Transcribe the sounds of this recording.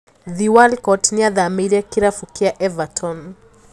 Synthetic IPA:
ðiwalkɔtniaðamiɾiakiɾafukiaʔɛvatʰɔn

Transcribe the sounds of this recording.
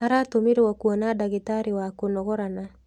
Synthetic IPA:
aɾatomeɾewakuɔnadaɣetaɾewakonɔɣɔɾana

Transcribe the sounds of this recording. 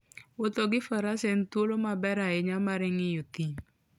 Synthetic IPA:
wot̪oɡɪfəɾasen̩twolomabɛɾaɪɲamaɾɪŋɪjot̪in

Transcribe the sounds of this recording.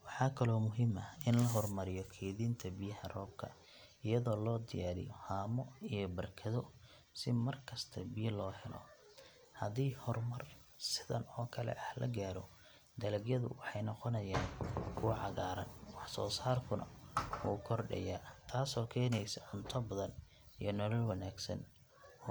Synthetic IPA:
wɑħɑːkʰɐlɔːmʊɦɪmɐɪnlɐɦɔrmɐɾɪjɔkʰɛːðiːnt̪ʰɐbɪjɐhɐrɔːb̚kʰɐ̰ | ɪjɐðɔːlɔːd̪ɪjaːɾɪ̰jɔhaːmɔijɞbɐrkʰɐðɔ | sɪmɐrkʰɐst̪ʰɐbɪjɐlɔːhɛlɔ̰ | hɐðiːhɔrmɐr | sɪðɐ̰nɔːkʰɐlɛ̰ʔɐhlɐ̰ɡaːɾɔ | d̪ɐlɐɡjɐðʊ̰wɑħɑjnɔqɔnɐjaːnkʰʊwʕɑɣaːɾɐnwɑħsɔːsaːrkʰʊnʔɐ̰wuːkʰɔrɖɐ̰jaːt̪ʰaːsɔːkʰɛːnɛjsɐʕʊnt̪ʰɐbɐðɐn | ijɞnɔlɔlwɑnaːɡsɐ̰n

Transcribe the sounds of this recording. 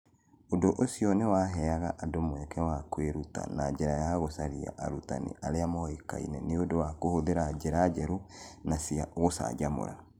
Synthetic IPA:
odoʔosiɔnewaɦɛaɣaʔadomwɛkʰɛwakweɾuta̰naɟeɾajaɣosaɾia̰ʔaɾuta̰nḛʔaɾeamɔeka̰ḭnɛ̰neodowakohoðeɾaɟeɾad͡ʒɛɾunasiaɣosa̰ɟamo̰ɾa̰

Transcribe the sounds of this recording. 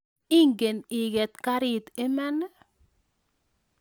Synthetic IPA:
ɪŋɡəneːɡət̪kaɾit̪ɪmɛn

